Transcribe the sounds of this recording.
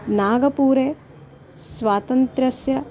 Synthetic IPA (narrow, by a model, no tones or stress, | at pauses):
naːɡɐpuːɾeː | sʋaːt̪ɐnt̪ɾɐsjɐ